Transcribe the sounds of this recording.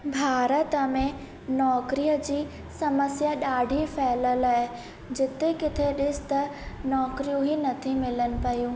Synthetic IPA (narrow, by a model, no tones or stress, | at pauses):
bʱaːɾət̪əmẽ | nɔːkɾijəd͡ʑiː | sɐməsjaɗaːɖʱifʰɛːləlaɦɪ | d͡ʑɪt̪ekɪt̪ʰeɗɪsɪ̥t̪ɐnɔːkɾijũɦinɐt̪ʰimɪlənɪ̆pɐjũː